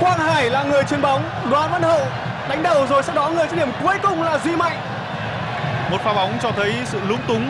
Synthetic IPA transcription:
xwaː˧˥˩k̚haː˧˩jlaː˨˩ŋɨ˨˩əjt͡ɕi˨˦ənɓa˨˦wŋ͡m | ɗwaː˨˦nva˧˥nhə̰ː˧˨ | ɗa˨˦jŋ̟ɗə˧˩wzo˨˩jsɛ̰˧˥wɗɔ˨˦ŋɨ˨˩əjt͡ɕa˦˥ɗi˧˩əmku˨˦əjkʊ˨˩ŋ͡mlaː˨˩zwi˧ma̰˧˨jŋ | mo˨˩t̚faː˨˦ɓa˨˦wŋ͡mt͡ɕɔ˧t̪ʰə˨˦jsɨ̰˧˨lʊ˨˦ŋ͡mt̪ʊ˨˦ŋ͡m

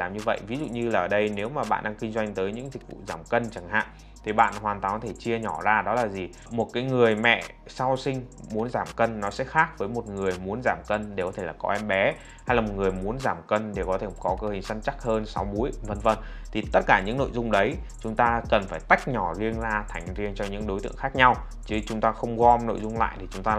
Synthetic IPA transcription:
laː˨˩mɲɨ˧və̰˧˨jvi˨˦zṵ˧˨ɲɨ˧laː˨˩ʔəː˧˩ɗə˧jne˨˦wmaː˨˩ɓa̰ː˧˨nɗaː˧ŋkï˧ŋ̟zwa˧jŋ̟t̪əː˨˦jɲɨ̰˧˥ŋzï˨˩k̟̚vṵ˧˨zaː˧˩mkə˧nt͡ɕa˧˩ŋha̰ː˧˨ŋ | t̪ʰi˨˩ɓa̰ː˧˨nʔɦwaː˨˩nt̪waː˨˩kɔ˦t̪ʰe˧˩t͡ɕi˧əɲɔ˧˩zaː˧ɗɔ˨˦laː˨˩zi˨˩ | mo˨˩t̚kaː˨˦jŋɨ˨˩əjmɛ̰˧˨ | sa˧wsï˧ŋ̟mu˨˦ənzaː˧˩mkə˧nːɔ˨˦sɛ̰˧˥xaː˦˥k̚vəː˨˦jmo˨˩t̚ŋɨ˨˩əjmu˨˦ənzaː˧˩mkə˧nɗe˧˩kɔ˨˦t̪ʰe˧˩laː˨˩kɔ̰˨˦ʔɛ˧mɓɛ˨˦ | ha˧jlaː˨˩mo˨˩t̚ŋɨ˨˩əjmu˨˦ənzaː˧˩mkə˧nɗe˧˩kɔ˨˦t̪ʰe˧˩kɔ˨˦kəː˧hï˨˩ŋ̟sa˧nt͡ɕa˦˥k̚həː˧nsa˨˦wɓu˨˦əjvə˧nvə˧nt̪ʰi˨˩t̪ə˦˥t̚kaː˧˩ɲɨ̰˧˥ŋno̰˧˨jzʊ˧ŋ͡mɗə˨˦j | t͡ɕʊ˨˦ŋ͡mt̪aː˧kə˨˩nfaː˧˩jt̪a˦˥jk̟̚ɲɔ˧˩zi˧ənzaː˧t̪ʰa˨˧˩jŋ̟zi˧ənt͡ɕɔ˧ɲɨ̰˧˥ŋɗo˨˦jt̪ɨ̰˧˨əŋxaː˦˥k̚ɲa˧w | t͡ɕɨ˨˦t͡ɕʊ˨˦ŋ͡mt̪aː˧xə˧wŋ͡mɣɔ˧mno̰˧˨jzʊ˧ŋ͡mla̰ː˧˨jt̪ʰi˨˩t͡ɕʊ˨˦ŋ͡mt̪aː˧

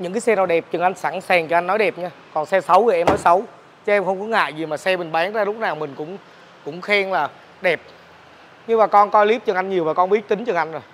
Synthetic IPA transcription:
ɲɨ̰˧˥ŋk̬aː˨˦jsɛ˧naː˨˩wɗɛ˨˩p̚t͡ɕɨ˨˩ŋʔa˧jŋ̟sa˧˩ŋsaː˨˩ŋt͡ɕɔ˧ʔa˧ŋ̟nɔ˨˦jɗɛ˨˩p̚ɲaː˧ | kɔ˨˩nsɛ˧sə˨˦wvə˨˩ʔɛ˧mnɔ˨˦jsə˨˦w | t͡ɕə˨˦ʔɛ˧mxə˧wŋ͡mkɔ˨˦ŋa̰ː˧˨jzi˨˩maː˨˩sɛ˧mï˨˩ŋ̟ɓaː˨˦nzaː˧lʊ˦˥k͡p̚naː˨˩wmï˨˩ŋ̟kʊ̰˧˥ŋ͡m | kʊ̰˧˥ŋ͡mxɛ˧ŋlaː˨˩ | ɗɛ˨˩p̚ | ɲɨ˧maː˨˩kɔ˧nkɔ˧jli˦˥p̚t͡ɕɨ˨˩ŋʔa˧jŋɲi˨˩əwvaː˨˩kɔ˧nɓi˦˥ət̚t̪ï˨˦ŋt͡ɕɨ˨˩ŋʔa˧jŋ̟zo˨˩j

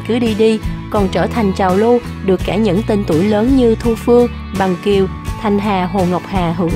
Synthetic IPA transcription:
kɨ˨˦ɗi˧ɗi˧kɔ˨˩nt͡ɕəː˧˩t̪ʰa˨˩jŋ̟t͡ɕaː˨˩wlu˧ | ɗɨ˨˩əkːaː˧˩ɲɨ̰˧˥ŋt̪i˧nt̪u˧˩əjləː˨˦nɲɨ˧t̪ʰu˧fɨ˧əŋ | ɓa˨˩ŋki˨˩əw | t̪ʰa˨˩jŋ̟ɦaː˨˩ɦo˨˩ŋa˨˩wk͡p̚haː˨˩ɦɨ̰˧˥

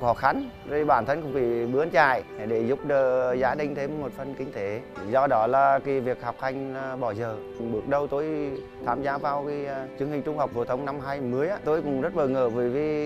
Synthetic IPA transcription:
xɔ˧˩xa˨˦n | zə˧˩ɓaː˧˩nt̪ʰə˧nkʊ̰˧˩˨ŋ͡mfʰi˧˩ɓɨ˨˧˦ənt͡ɕaː˧˩jɗe˧˩zʊ˦˥k͡p̚ɗəː˨˩zaː˨˦ɗï˧ŋ̟t̪ʰe˧mːo˨˩t̚fə˨˧˩nkï˧ŋ̟t̪ʰe˨˦zɔ˧ɗɔ˨˦laː˨˩ki˨˦vi˨˩ək̚hɔ˨˩wk͡p̚ha˧jŋ̟˧ɓɔ˧˩zəː˨˩ | ŋ͡mɓɨ˨˩ək̚ɗə˧wt̪o˧j | t̪ʰaː˨˩mzaː˨˦vaː˨˩wkːt͡ɕɨ˨˦əŋhï˨˩ŋ̟t͡ɕʊ˧ŋ͡mha˨˩wk͡p̚vo̰˧˩t̪ʰə˨˦wŋ͡mna˧mɦaː˧jmɨ˨˦əjʔaː˧˦t̪o˧jkʊ̰˨˩ŋ͡mzə˦˥t̚ɓəː˨˩ŋəː˧˩vəː˨˩jvi˧

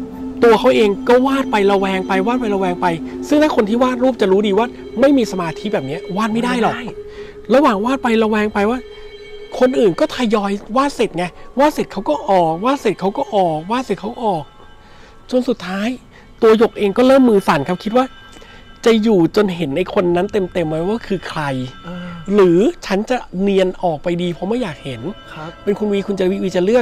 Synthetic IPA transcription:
t̪u˧ɐkʰa˦˥wʔeː˧ŋkɔː˥˩waː˥˩t̪̚pa˧jɾa˧wɛː˧ŋpa˧jwaː˥˩t̪̚pa˧jɾa˧wɛː˧ŋpa˧jsɯ˥˩ŋt̪ʰaː˥˩kʰo˧nt̪ʰiː˥˩waː˥˩t̪̚ɾuː˥˩p̚t͡ɕa˨˩ɾuː˦˥diː˧waː˥˩ | ma˥˩jmiː˧sa˧maː˧t̪ʰi̥˦˥bɛː˨˩p̚ni˦˥ɐwaː˥˩ma˥˩jdaː˥˩jlɔ˨˩k̚ | ɾa˧waː˨˩ŋwaː˥˩t̪̚pa˧jɾa˧wɛː˧ŋpa˧jwaː˥˩ | kʰo˧nʔɯː˨˩nkɔː˥˩t̪ʰa˧jɔː˧jwaː˥˩t̪̚se˨˩t̪̚ŋa˧waː˥˩t̪se˨˩t̚kʰa˦˥wkɔː˥˩ʔɔː˨˩waː˥˩t̪̚se˨˩t̪̚kʰa˦˥wkɔː˥˩ʔɔː˨˩waː˥˩t̪̚se˨˩kʰa˦˥wʔɔː˨˩k̚ | t͡ɕo˧nsu˨˩t̪ʰːaː˦˥j | t̪u˧ɐjo˨˩k̚ʔeː˧ŋkɔː˥˩ɾɤː˥˩mːɯː˧sa˩˦nkʰa˦˥p̚kʰi˦˥t̪̚waː˥˩ | t͡ɕa˨˩juː˨˩t͡ɕo˧nɦe˩˦nʔa˧jkʰo˧nːa˦˥nt̪e˧mt̪e˧mːa˦˥waː˥˩kʰɯː˧kʰɾa˧j | ɾɯː˩˦t͡ɕʰa˦˥nt͡ɕa˨˩ni˧ənʔɔː˨˩k̚pa˧jdiː˧pʰɔ˦˥mɯ˥˩jaː˨˩k̚he˨˩˦n | pe˧nkʰu˧nwiː˧˥kʰu˧nt͡ɕa˧wi˦˥wi˦˧˥t͡ɕa˨˩lɯ˥˩ək̚

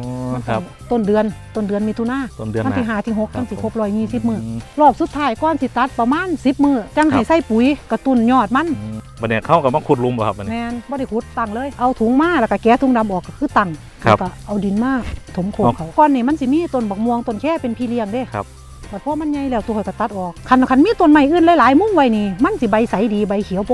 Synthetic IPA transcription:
ma˧˩ka˧˩ | t̪o˧˩˨ndɯ˨˧ənt̪o˧˩ndɯ˨˧ənmiː˧t̪ʰu˧˨naː˧˥˨o˧˨ndɯ˧˨m˧˥˨sʰi˧ɦaː˨˩t̪ʰiː˧˩ɦo˧˥k̚t̪a˧˨nsi˧kʰo˧˦p̚lɔː˧˩jɲiː˧˨si˧˦p̚mɯː˧˩lɔː˧˩p̚su˧˦t̪ʰːaː˧˩jkɔː˧˨nsi˧˦t̪a˧˦t̪̚pa˧maː˧˥˨nsi˧˦p̚mɯː˧˩t͡ɕa˧˨ŋha˨˧˩jsa˧˥˨jpu˨˦jka˧˩t̪u˧˩nɲɔː˧˩t̪̚ma˧˥˨na˧ni˧˩˨kʰa˧˩˨wka˧˩ma˧˥˨kʰu˧t̪̚lu˧˦mbɔ˧kʰa˧˨˧mɛː˧˥nbɔː˧˦ɾa˧˩jkʰu˧˥t̪̚ːa˧˩ŋlɤː˧˨jʔa˧wt̪ʰu˨˦ŋmaː˧˥˨laː˧˩ka˧˩kɛː˨˧˥t̪ʰu˨˦ŋda˧˦mʔɔː˨˩kːa˧˩kʰɯː˧˩˨t̪a˧˩ŋ | a˧˩ka˧˩ʔa˧˩wdi˨˦nmaː˧˥˨t̪ʰo˨˦mkʰo˧˨kʰa˧˩wkɔː˧˨nːiː˧˩ma˧˥˨nsi˧˦miː˧˥˨t̪o˧˩˨nbɔː˧˩k̚mu˧əŋt̪o˧˨nkʰɛː˧˥˨pe˧˨npʰiː˧˨li˧əŋde˧˨˧ | baː˧˩t̪̚pʰɔ˧˨ma˧˥˨nɲa˧jlɛː˧˩wt̪kʰːjka˧˩t̪a˧t̪̚ʔɔː˨˩k̚ʰːa˧˨n˧kʰa˧˥˨nmiː˧˥˨t̪o˧˨nma˧˩jʔɯː˧˥˨nlaː˧˨jlaː˨˦jmu˧˥˨ŋwa˧˨jniː˧ma˧˥˨nsi˧˦ba˧˦jsa˨˦jdiː˨˦ba˨˧˦jkʰi˨˦ə˦wpʰ

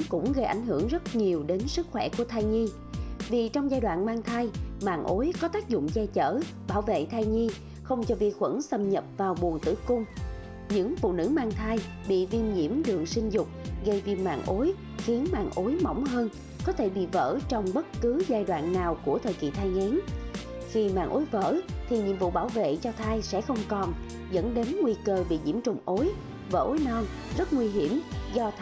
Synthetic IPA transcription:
kʊ̰˧˥ŋ͡mɣə˧jʔa̰˧˩jŋ̟ɦɨ˧˩əŋzə˦˥t̚ɲi˨˩əwɗe˨˦nsɨ˦˥k̚xwɛ˧˩ku˧˩ət̪ʰaː˧jɲi˧ | vi˨˩t͡ɕɔ˧wŋ͡mzaː˧jɗwa̰ː˧˨nmaː˧ŋt̪ʰa˧jma̰ː˧˨nʔo˨˦jkɔ˨˦t̪aː˦˥k̚zʊ̰˧˨ŋ͡mt͡ɕɛ˧t͡ɕə̰ː˧˩ | ɓaː˧˩wvḛ˧˨t̪ʰaː˧jɲi˧ | xə˧wŋ͡mt͡ɕɔ˧vi˨˧˩ək̚xwə̰˧˥nsə˧mɲə˨˩p̚vaː˨˩wɓu˨˩ənt̪ɨ̰˧˩kʊ˧ŋ͡m | ɲɨ̰˧˥ŋfṵ˧˨nɨ̰˧˥maː˧ŋt̪ʰa˧j | ɓḭ˧˨vi˧nɲḭ˧˥əmɗɨ˨˩əŋsï˧ŋ̟zʊ˨˩k͡p̚ɣə˧jvi˧˩ma̰ː˧˨ŋʔo˨˦j | xi˨˦ənma̰ː˧˨nʔo˨˦jmə̰˧˩wŋ͡mɦəː˧n | kɔ˨˦t̪ʰe˧˩ɓḭ˧˨və̰ː˧˥t͡ɕɔ˧wŋ͡mɓə˦˥t̚kɨ˨˦zaː˧jɗwa̰ː˧˨nːaː˨˩wku˧˩ət̪ʰəː˨˩jkḭ˧˨t̪ʰaː˧jŋɛ˨˦n | xi˧ma̰ː˧˨nʔo˨˦jvə̰ː˧˨t̪ʰi˨˩ɲḭ˧˥ənvṵ˧˨ɓaː˧˩wvḛ˧˨t͡ɕɔ˧t̪ʰaː˧jsɛ̰˧˥xə˧wŋ͡mkɔ˨˩n | zə̰˧˥nɗe˨˦nŋwi˧kəː˧ɓḭ˧˨ɲḭ˧˩əmt͡ɕʊ̰˧˨˩ŋ͡mʔo˨˦j | və̰ː˧˩ʔo˨˦jnɔ˧n | zə˦˥t̚ŋwi˧ɦi˧˩əmzɔ˧

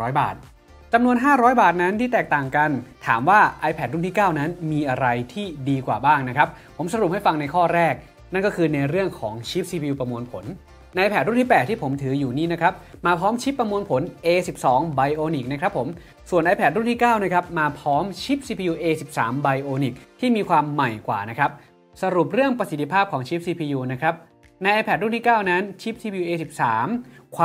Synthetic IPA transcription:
ɔː˦˥jba̰ː˨˩t̪̚ | t͡ɕa˧mnu˧ənɦaː˥˩ɾɔː˦˥jbaː˨˩t̪̚na˦˥nt̪ʰiː˥˩t̪ɛː˨˩k̚t̪aː˨˩ŋka˧nt̪ʰa̰ː˩˦mwaː˥˩ʔa˧jpʰɛ˨˩t̪ɾuː˥˩t̪ʰiː˥˩kaː˥˩wna˦˥nmiː˧ʔa˧ɾa˧jt̪ʰiː˥˩diː˧kwaː˨˩baː˥˩ŋna˦˥kʰɾa˦˥p̚pʰːo˩˦msa˧ɾu˨˩p̚ha˥˩jfa˧ŋna˧jkʰɔː˥˩ɾɛː˥˩k̚ | na˥˩nkɔː˥˩kʰɯː˧na˧jɾɯ˥˩əŋkʰɔː˩˦ŋt͡ɕʰi˦˥p̚siː˧pʰi˧u˧pɾa˧mu˧ənpʰo˩˦nː | a˧ʔpʰɛː˨˩ɾnt̪ʰi˥˩pɛː˨˩t̪ːʰiː˥˩pʰo˩˦mt̪ʰɯː˩˦juː˨˩niː˥˩na˦˥kʰɾa˦˥p̚maː˧pʰɔː˦˥mt͡ɕʰi˦˥pːɾa˧mu˧ənpʰo˩˦nʔeː˧si˨˩p̚sɔː˩˦ŋba˧jʔoː˧ni˨˩k̚na˥kʰɾa˦˥pʰːo˩˦m | su˨˩ənʔa˧jpʰɛː˨˩t̪̚ɾuː˥˩t̪ʰiː˥˩kaː˥˩wna˦˥kʰɾa˦˥p̚maː˧pʰɔː˦˥mt͡ɕʰi˦˥p̚siː˧pʰiː˧juː˧ʔeː˧si˨˩p̚sa̰ː˩˦mba˧jʔoː˧ni˨˩k̚t̪ʰiː˥˩miː˧kʰwaː˧mːa˨˩jkwa̰ː˨˩na˦˥kʰɾa˦˥p̚ | sa˧ɾu˨˩p̚ɾɯ˥˩əŋpɾa˧si˨˩t̪ːʰi˧pʰaː˥˩p̚kʰɔː˩˦ŋt͡ɕʰi˦˥p̚siː˧pʰiː˧juː˧na˦˥kʰɾa˦˥p̚ | na˧jʔa˧pʰɛː˨˩t̪̚ɾuː˥˩t̪ʰi˥˩kaː˥˩wna˦˥nt͡ɕʰi˦˥p̚siː˧pʰi˧uː˧ʔeː˧si˨˩p̚saː˩˦mkʰwa˧

